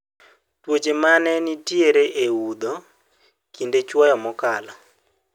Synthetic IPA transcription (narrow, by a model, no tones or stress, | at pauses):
twot͡ʃemanɛnitieɾeʔeud̪ɔ | kindet͡ʃwɔjɔmɔkala